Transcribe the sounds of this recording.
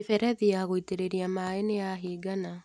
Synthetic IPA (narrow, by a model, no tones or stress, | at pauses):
fɛɾɛðijaɣoiteɾeɾiamaːeneaɦiːɡana